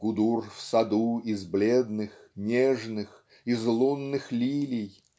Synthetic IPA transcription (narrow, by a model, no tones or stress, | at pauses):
kʊd̪urfsɐd̪uɪzblʲed̪nɨxnʲeʐnɨx | ɪzlˠunːɨxlʲilʲɪj